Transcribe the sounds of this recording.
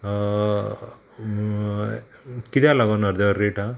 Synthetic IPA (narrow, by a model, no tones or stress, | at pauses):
kit̪jalaɡonaɾd̪əɾeʈa